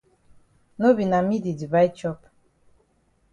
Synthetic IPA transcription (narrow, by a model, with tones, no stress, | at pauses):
no˦bi˨na˨mi˦di˨di˨βa˦i˦t͡ʃɔ˦p